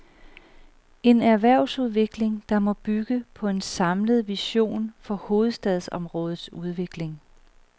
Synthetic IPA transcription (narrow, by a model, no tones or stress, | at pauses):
e̝næɐʋæɐ̰ʊsuð̞ˠʋe̝ɡ̥le̝ŋd̥ɑ̈mɒ̽b̥yɡ̥əpʰɒ̽e̝nsɑ̈mləð̞̩ˠʋiɕo̝̰ːnfɒ̽ho̝ːð̞̩ˠsd̥ɛðˠsɒ̽mʁɔ̽ːð̞̩ˠsuð̞ˠʋe̝ɡ̥le̝ŋ